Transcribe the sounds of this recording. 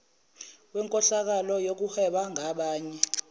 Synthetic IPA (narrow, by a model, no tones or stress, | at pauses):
wɛŋkʼɔɬak̬alɔjok̬uhɛɓaŋʱaɓaːɲɛ